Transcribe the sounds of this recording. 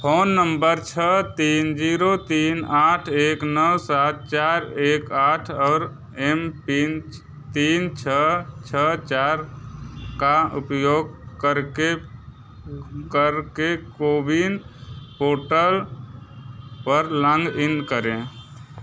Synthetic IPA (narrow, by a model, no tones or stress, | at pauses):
pʰoːnːəmbəɾt͡ʃʰət̪ind͡ʒiɾot̪inaʈʰeknəwsat̪̚t͡ʃaɾekaʈʰɔːɾ | empin | t̪int͡ʃʰət͡ʃʰət͡ʃaɾ | kaṵpjoɡkəɾke | kəɾkekobʱinpoʈəl | pəɾlə̃ŋɡinkəɾẽ